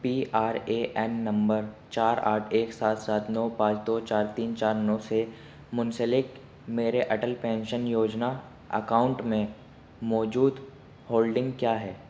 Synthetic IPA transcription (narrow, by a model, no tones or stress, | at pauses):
piːʔaːɾeːʔɛnːɐ̃mbəɾt͡ʃaːɾa̰ːʈʰeːksaːt̪saːt̪nɔːpãːt͡ʃd̪oːt͡ʃaːɾt̪iːnt͡ʃaːɾnɔse | mʊ̃nsəlɪk | meːɾeʔɐʈəlpɛ̃ːnʃənjoːd͡ʒna | ə̰kaːʊ̃ɳʈmẽ | mɔːd͡ʒuːd̪ | hoːlɖɪ̃ŋɡkjaːɦɛː